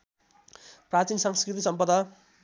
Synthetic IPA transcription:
prat͡sinsʌŋskrit̪̬isʌmpʌd̪ʌ

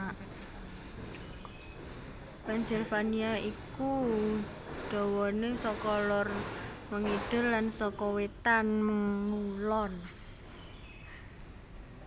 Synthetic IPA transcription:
pand͡ʒɛrfaniaiku | ɖ̥ɔ̤wɔnesɔkɔlɔrməŋiɖ̥ʊ̤rːansɔkɔwet̪anməŋːulɔn

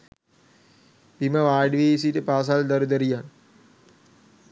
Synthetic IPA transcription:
piməʋaːɖiʋeisiʈəpaːs̬ald̪ɐɾud̪əɾijan

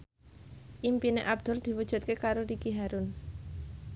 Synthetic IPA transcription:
ʔimpineʔab̚d̪̥ʊ̤rd̪̥i̤wud̥ʒ̥ṳt̪̚kekaɾoɾikiɦaɾʊn

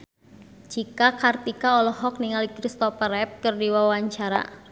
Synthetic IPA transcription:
d͡ʒikakart̪ikaɔlɔɦɔk̚niŋalikɾist̪ɔfəɾɛp̚kɨrdiwawaɲt͡ʃaɾa̰

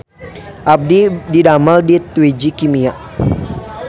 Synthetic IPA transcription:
ʔab̚dididamaldit̪wid͡ʒikimiaʔ

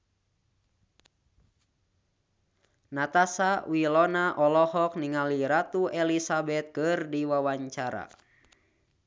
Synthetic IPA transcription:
nat̪asawilɔnaʔɔlɔhɔk̚niŋaliɾat̪uʔɛlisabɛt̪̚kɨrdiwawaɲt͡ʃaɾa̰

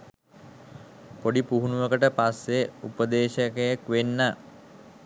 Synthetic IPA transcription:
poɖipuɦunuʋəkəʈəpasːeupəd̪eːʃəkejakʋenːə

